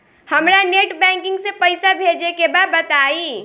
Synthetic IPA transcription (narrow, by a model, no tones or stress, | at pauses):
həmɾaneʈbɛ̃ŋkĩŋɡsepəjsabʱed͡ʒekebabət̪ai